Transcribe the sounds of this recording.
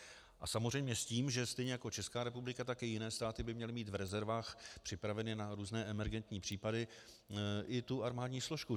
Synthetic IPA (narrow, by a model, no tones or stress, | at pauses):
ʔasamorɛjmɲɛsciːmʒɛst̪ɛjɲɛjako̞t͡ʃɛskaːɾɛpublɪkat̪akɪjɪnɛːst̪aːt̪ɪbɪmɲɛlɪmiːt̪vɾɛzɛɾvaːxpr̥ɪpɾavɛnɪnaɾuːznɛːʔɛmɛɾɡɛnt̪ɲiːpr̝̥iːpadɪ | ʔɪt̪uʔaɾmaːdɲiːsloʃku